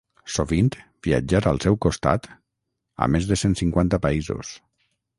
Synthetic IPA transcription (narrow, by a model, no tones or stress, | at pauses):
soβint̪bia̰d͡ʒaɾalˠsɛwkost̪a̰t̪ | a̰mezðəsensiŋkwant̪apaizo̰s